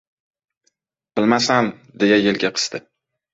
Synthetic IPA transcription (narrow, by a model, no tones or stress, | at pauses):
b̥ɪlmasamd̪e̞jajelɡʲaqʰɨ̥st̪ɪ